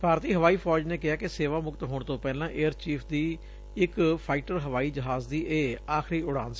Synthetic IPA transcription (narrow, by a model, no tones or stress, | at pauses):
paːɾt̪iːɦəʋaːiːpʰɔːd͡ʒneːkɪaːkɪseːʋaːmʊkt̪ɦoːɳt̪õːpɛːlãːʔeːəɾt͡ʃiːpʰd̪iː | ɪkpʰaːɪːʈəɾɦəʋaːiːd͡ʒəɦaːzd̪iːʔeːaːkɾiːʊɽãːns